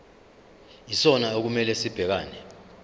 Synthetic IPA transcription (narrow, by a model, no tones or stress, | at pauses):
isɔnaok̬umɛlɛsib̥ʱɛk̬aːnɛ